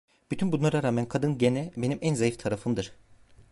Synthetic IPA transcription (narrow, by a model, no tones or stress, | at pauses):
b̥yt̪ʰynbunlˠaɾaɾaːmænkʰad̪ɯnɟenɛbe̞nimʔænzajift̪ʰaɾafɯmd̪ɯɾ̥